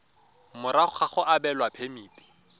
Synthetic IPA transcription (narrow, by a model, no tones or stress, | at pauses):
mʊɾaχaχʊʔabɛlwapʰemiːtʼi̥